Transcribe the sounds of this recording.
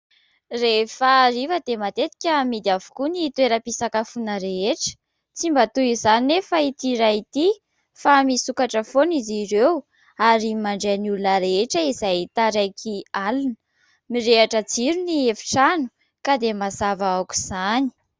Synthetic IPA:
refərivəd̪emat̪et̪i̥kʲəmid̪iavu̥kunit̪ueɾəpisakafunəɾeeʈ͡ʂə̥ | t͡simbat̪uizaninefait̪iɾait̪i | famisukaʈ͡ʂəfoniziɾew | aɾimaɳɖ͡ʐeanulunəɾeeʈ͡ʂəizajt̪aɾajkʰialunə | miɾeaʈ͡ʂəd͡ziɾuniefi̥ʈ͡ʂanu̥ | kad̪emazavaaku̥z̥ani̥

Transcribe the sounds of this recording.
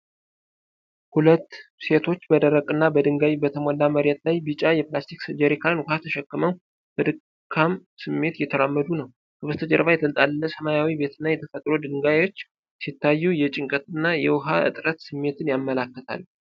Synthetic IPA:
hulət̪ːse̞t̪ʰo̞t͡ʃːbəd̪əɾəkʼɨnːabəd̪ɨŋɡawibət̪ʰəmolːaməɾjɛt̪lajbɨt͡ʃʼajɛplast̪ʰiksɨd͡ʒəɾekʰaɨnwʊhat̪ʰəʃɛkːɨməw | b̥əd̪ɨ | kʰːamsɨmːe̞t̪jɛt̪ʰəɾamːəd̪unəw | kʰəβəst̪ʰəd͡ʒəɾβajɛt̪ʰəlt̪ʼalːəsəmajawibe̞t̪ʰɨnːajɛt̪ʰəfət̪ʼɾud̪ɨŋɡawo̞t͡ʃː | sit̪ːajːujɛt͡ʃʼɪŋkʼət̪ɨnːajɛwʊɦa̰ɨ̰t̪ʼɾət̪sɨmːe̞t̪ʰɨnjamːəlakːət̪ʰa̰lː

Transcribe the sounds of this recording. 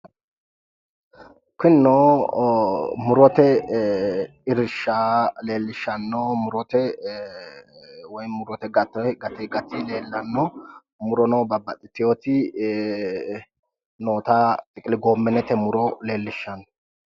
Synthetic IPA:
kɪnːoː | mʊɾɔt̪ɛ | ɪɾɪʃːaːle̞ːlːɪʃːɐnːomʊɾɔt̪ɛ | wɔjmʊɾɔt̪ɛɡɐt̪ːɛɡɐt̪ɛɡɐt̪ːɪle̞ːlːɐnːɔ | mʊɾɔnoːbɐbːɐt̪ʼɪt̪ːɪjot̪ɪ | noːt̪aːt̪ʼɪkʼɪlɪɡoːmːɛnɛt̪ɛmʊɾɔle̞ːlːɪʃɐnːɔ

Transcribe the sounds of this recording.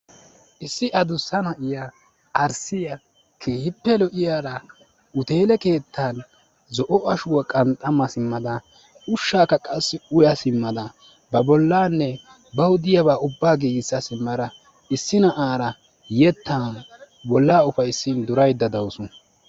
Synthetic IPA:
ʔɪsːɪʔɐd̪ʊsɐnɐʔɪjaː | ɾsɪjɐ | kʰeːhɪpːɛlɔʔɪjaːɾɐ | ʊt̪e̞ːlɛke̞ːt̪ʰːan | zɔʔɔʔɐʃʊwɐkʼɐnt̪ʼːɐmɐsɪmːɐd̪ɐ | ʊʃːaːkːɐkʼɐsːɪʊjɐsɪmːɐd̪ɐ | bɐbɔlːaːnːɛ | bɐwʊd̪ɪjɐβaːʊbːaːɡiːɡsːɐsɪmːɐɾɐ | ɪsːɪnɐʔaːɾɐ | jɛt̪ːan | bɔlːaːʊfɐjsind̪ʊɾɐjd̪ːɐd̪ɐwsʊ

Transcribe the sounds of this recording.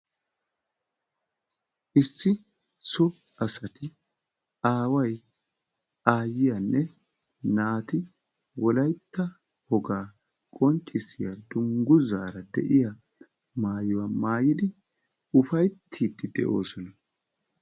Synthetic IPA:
ʔɪsːɪ | sɔ | ɐsɐt̪ʰɪ | aːwɐj | aːjɪjanːɛ | naːt̪ɪ | wɔlɐjt̪ːɐ | hɔɡaː | kʼɔnt͡ʃʼːɪsːɪjad̪ʊŋɡʊzaːɾɐd̪ɛ̰ʔɪja | maːjʊwamaːjɪd̪ɪ | ʊfɐjt̪ʰːiːd̪ːɪd̪ɛ̰ʔo̰ːsɔnɐ

